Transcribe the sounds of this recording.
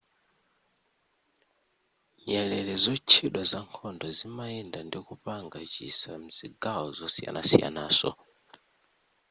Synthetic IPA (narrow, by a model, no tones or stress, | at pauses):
jɛlɛlɛzɔt͡ʃʰiɗwazaŋkʰɔndɔzimaɛndandikupaŋɡat͡ʃḭsam̩z̥iɡaɔzɔsija̰na̰sija̰naːsɔ̰